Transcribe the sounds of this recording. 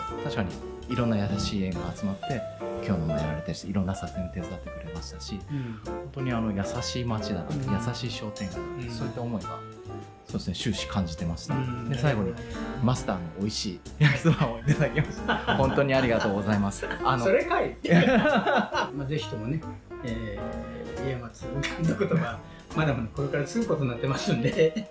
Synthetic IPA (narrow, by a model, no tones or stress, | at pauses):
t̪aɕi̥kaɲ̟ḭ | iɾõ̞nːajasaɕiːẽ̞ŋɡaːt͡sɨmat̪ːe̞kʲʰo̞ːnoma̰eβaɾet̪aɾi̥t̪iɾõ̞nːasakɯ̟hẽot̪e̞t͡sɨd̪at̪ːe̞kɯ̟ɾe̞maɕi̥t̪aɕihõ̞nt̪o̞ɲ̟iano̞jasaɕiːmat͡ɕid̪a̰na̰jasaɕiːɕo̞ːt̪ẽ̞ŋɡaso̞ːit̪ːao̞mo̞iɡa̰ | so̞ːd̪esɨne̞ɕɨːɕi̥kʰãɲ̟d͡ʑit̪e̞masɨ̥ned̪e̞saiɡo̞ɲ̟imasɨ̥t̪aːno̰ʔoiɕiː | jakɯsɨmaoit̪ad̪akʲe̞masɨ̥hõ̞nt̪o̞ɲ̟iaɾʲiɡat̪o̞ːɡo̞zaimasɨ̥anoo̞ɾe̞kait̪ː | maze̞çʲi̥t̪o̞mo̞ne̞eː | iamat͡sɨokand̪okot̪oɡa | mad̪amonoko̞ɾekaɾat͡sɨɡɯ̟ko̞t̪o̞nːat̪ːe̞masɨ̃nd̪e̞